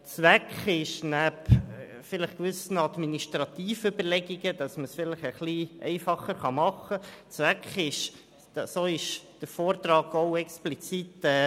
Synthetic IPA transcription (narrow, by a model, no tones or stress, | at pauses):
t͡sʋækχɪʃnæp | fɪləχkʋʏsənɑd̪miniʃtɾɑt̪iːfʏbəlɛɡiɡəd̥ɑsməsfɪləχəχliɛ̰ɪfɑχəɾχɑmɑχət͡sʋækχɪʃ | soːɪʃd̥əɾfoːrt̪rɑːɡoʊɛksplit͡sitɛː